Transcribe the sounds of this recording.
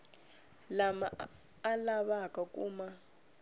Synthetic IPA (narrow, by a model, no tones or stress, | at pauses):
lamaː | laɓakʼakʼuːma